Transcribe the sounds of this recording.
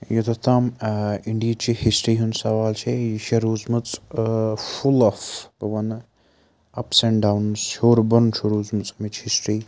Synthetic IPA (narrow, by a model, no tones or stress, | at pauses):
jɐt̪ɐt̪amiɳɖijt͡ʃihisʈɾiːɦunsɐʋaːlt͡ʃʰejiʃɐɾuːzmɨt͡s | fulɐfbɐʋɐn | ɐ̰pseɳɖawnshoːɾbɐnt͡ʃʰuɾuːzmɨt͡sɐmit͡ʃhisʈɾiː